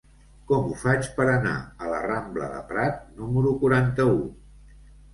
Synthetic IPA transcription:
kɔmufat͡ʃpəɾəna̰ələ̰ramblə̰ðə̰pɾat̪̚numəɾukuɾant̪əu

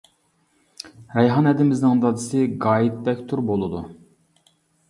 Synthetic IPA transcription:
ɾɛjɦɑnɛd̪ɪmɪznɨŋd̪ɑd̪ɨsɨɡɑːjit̪̚bɛkʲt̪ʰuɾbolˠɨd̪u

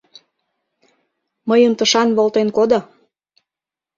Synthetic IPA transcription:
məjəmt̪əʃɑnβolt̪enkod̪o

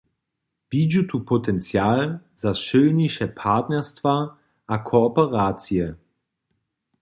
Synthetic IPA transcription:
b̥id͡ʒutʰupʰotʰɛnt͡sjaːlzasʃølnɪʃəpʰaɐtnɛɐstv̥aː | ʔakʰoɔpəʁaːt͡sjə

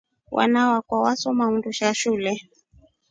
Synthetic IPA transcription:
wʔa̰nawakwawasɔmauntuʃaʃulɛ

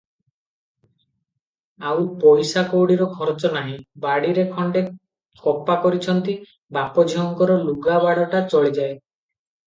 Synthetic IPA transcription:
awpɔjsakowɽiɾɔkʰɔɾt͡ʃɔnaɦĩbaɽiɾekʰɔɳɖe | kʰɔpakɔɾit͡ʃʰɔnt̪i | bapɔd͡ʒʱiɔŋkɔɾɔluɡabaɽɔʈat͡ʃɔɭid͡ʒae

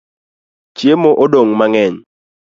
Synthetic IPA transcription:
t͡ʃjemoʔodoŋmaŋɛɲ

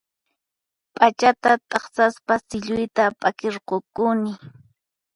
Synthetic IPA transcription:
pʼat͡ʃat̪at̪ʼɑχsaspasɪʎʊjt̪apʼakeɾqokʊnɪ

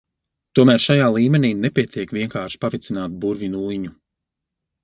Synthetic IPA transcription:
t̪uɔmæːɾʃajaːlˠiːmɛniːnɛpʲiɛt̪ʰiɛkvʲiɛŋkaːɾʃi̥pavit̪sinaːt̪buɾvʲinuːjɲu

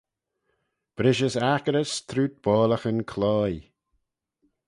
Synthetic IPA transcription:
b̥ɾɪʃəsakəɾəst̪ʰɾuːt̪̚b̥ɔːləxənkʰlɔːj

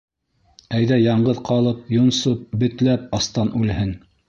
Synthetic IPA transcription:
æjðæjɑɴɢɤðqʰɑlˠɤp̚jŏnsop̚bɘ̆t̪læp̚ɑst̪ɑnʉlhɘn

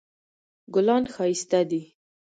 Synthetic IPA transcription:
ɡʊlɑnxɑist̪ad̪i

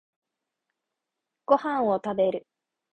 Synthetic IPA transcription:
ɡ̥o̞hãɰ̃o̞t̪abe̞ɾɯ̟

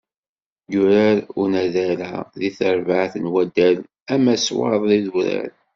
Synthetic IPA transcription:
jʊɾæɾunæðæɾæðiθəɾvaʕθənwæd̪æl | æmæswɑ̰ɾðˤðiðuɾæ̰ɾ

